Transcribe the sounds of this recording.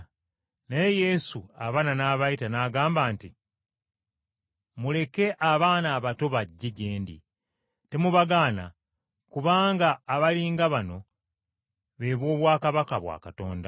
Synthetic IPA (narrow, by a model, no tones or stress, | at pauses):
naje̞je̞suaβaːnanaːβajitanaːɡaːmbaːnti | mule̞ke̞ʔaβaːnaːβato̞βaɟːeɟe̞ːndḭ | te̞muβaɡaːna̰ | kuβaːŋɡaːβaliːŋɡaβano̞ | βe̞ːβwo̞ːβwaːkaβakaβwa̰ːkato̞ːnda